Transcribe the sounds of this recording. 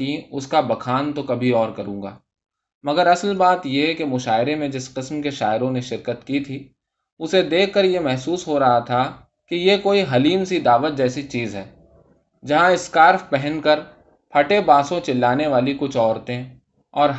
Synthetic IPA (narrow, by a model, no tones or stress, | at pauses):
ĩʊskabɐkʰaːnt̪okɐbʱiɔːɾkɐɾũːŋɡa̰ː | mɐɡəɾɐsəlbaːt̪jekemʊʃaːɪɾemẽd͡ʒɪsqɪsmkeʃaːɪɾõneʃɪɾkət̪kit̪ʰiː | ʊsed̪eːkʰːɐɾjemɛɦsuːsɦoɾɐɦat̪ʰa | kijekoːiɦɐliːmsid̪aːʋət̪̚d͡ʒɛːsit͡ʃiːzɦɛː | d͡ʒɐɦãɪskaːɾfpɛɦɛ̃nkɐɾ | pʰɐʈebaːsõt͡ʃɪlːaːneʋaːlikʊt͡ʃʰɔːɾt̪ẽ | ɔːɾɦ